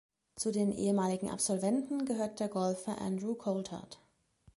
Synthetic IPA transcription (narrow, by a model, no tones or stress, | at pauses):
t͡sudeːnʔḛːəmaːlɪɡŋ̩ʔa̰pz̥ɔlvɛntn̩ɡəɦøːɐt̚d̥eːɐɡɔlfɐʔa̰ndʁukʰoltha̰t